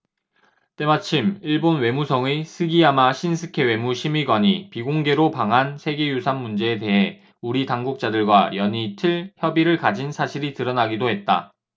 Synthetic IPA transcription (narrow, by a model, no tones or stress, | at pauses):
t͈e̞mat͡ɕʰimiɭbonwe̞musʰʌŋesʰɯɡiɦamaɕʰinsʰɯkʰe̞we̞muɕʰimiɡwaɲipiɡoŋɡe̞ɾopaŋɦansʰe̞ɡe̞jusʰanːund͡ʑe̞ːte̞ɦe | uɾitaŋɡuk̚t͡ɕ͈adɯɭɡwajʌɲitʰɯɭçjʌbiɾɯɭkad͡ʑinsʰaɕʰiɾitɯɾʌnaɡidoɦe̞t̚t͈a̰